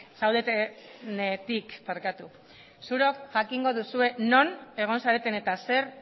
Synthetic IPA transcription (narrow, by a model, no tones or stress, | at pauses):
sawðet̪enet̪ikpaɾkat̪u | suɾo̞kʝakiŋɡo̞ðusue̞no̞ne̞ɣ̞o̞nsaɾe̞t̪e̞ne̞t̪ase̞ɾ